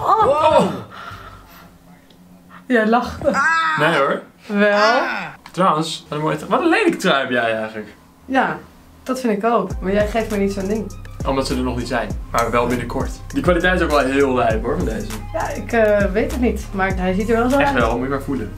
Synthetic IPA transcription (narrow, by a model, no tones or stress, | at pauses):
o | jɛlɑχtənejoɹ | ʋɛlˠtrawənsʋɔtənmojətʋɔtənlejləkətraɥmjɛjɛjχələk | ja | d̥ɔtfɪntɪkowpmaɹjɛjχejftmɛjnitsondɪŋʔɔmdɑtsədənɔχnitsɛjnmaːɹʋəʋɛlˠbɪnəɹkʰɔɹtdikʋaːlitɛjtɪsowkʋɛlˠɦɪːlˠʋɛjpɦoɹvɔndejzəjaɪkəʋejtdətnitmaɹɦɛjsitəɹʋɛlˠzoɛtʋɛlˠmutmaːɹfulə